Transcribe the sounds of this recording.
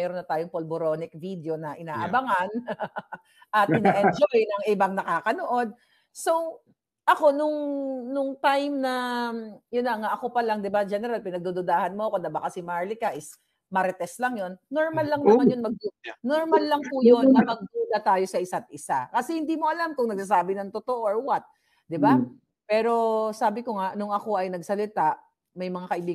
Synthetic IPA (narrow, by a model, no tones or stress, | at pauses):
ɛːɾonːɐt̪aːjoŋpolboɾo̞ːnɪk̚vid̪eo̞nɐʔɪnaːʔɐbɐŋan | ʔɐt̪̚ɪnɐʔɛnd͡ʒojnɐŋɪbaŋnɐkaːkɐnoʔo̞d̪̚ | so̞w | ʔɐko̞nʊŋnʊŋt̪ajmnɐ | jʊnːɐŋaʔɐko̞pɐlaŋd̪ɪbad͡ʒɛnɛɾalpɪnɐɡd̪ud̪ʊd̪aːhɐnmoɐkod̪ɐbɐkɐsimaɹlikaʔɪs | mɐɾɛt̪ɛslaŋjo̞nːoɹmalːɐŋnɐmanjonmɐɡ̪̚noɹmalːɐŋpujonːɐmɐɡ̚d̪uːlɐt̪aːjo̞sɐʔɪsat̪̚ʔɪsakɐsɛhɪnd̪iːmo̞ʔɐlamkʊŋnɐɡ̚sas̬aːbɪnɐŋt̪ot̪oʔoɐɹwat̪̚ | d̪ɪba | pɛːɾo̞saːbɪko̞ŋaʔnʊŋɐko̞ʔɐjnɐɡsɐlɪt̪aʔ | mɐjmɐŋakɐʔɪbiːɡ